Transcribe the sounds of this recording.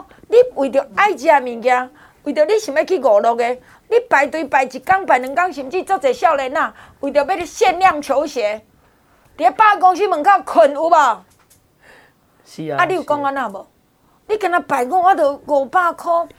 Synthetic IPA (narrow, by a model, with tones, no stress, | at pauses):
li˦wi˨t̪̬jo˨˩a˦jd͡ʑi˧a˧˨˧mĩ˨ŋkja˧ | wi˨˩jo˨˦li˦ɕĩ˨˦mbe˦˧˨kʰi˦ɡɔ˨˩lɔ˧ke˧ | li˦pa˨jt̪wi˧pa˨˩jt͡ɕi˨ka˦ŋpa˨˩jnɨ̃˨˧ŋka˦ŋɕi˧˩mt͡ɕi˦˧t͡sɔ˦˧˨t͡se˨˩ɕja˥˧˨ʊle˧˦nã˧˨wi˨˩t̪jo˨˩˦be˦ɾɕɛ˥˧nlja˥˨ŋt͡ɕʰjo˧˦ɕe˨˦ | t̪i˨e˦pa˦˧˦kɔ˧ŋɕ̬i˦mɨ̃˨ŋka˦˧˨kʰə˨˩nu˧˦ba˨ | a˦li˦u˨kɔ˦ŋa˧nã˧˨bɔ˨˩˨ | li˦ka˧na˧pa˨˩jɡɔ˦wa˦t̪ə˧˨ɡɔ˨˩pa˦˧kʰɔ˦